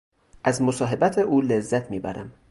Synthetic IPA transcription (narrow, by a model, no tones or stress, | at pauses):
ʔæzmosɒːɦe̞bæt̪ʰeʔuːlezːæt̪ʰmiːbæ̰ɾæm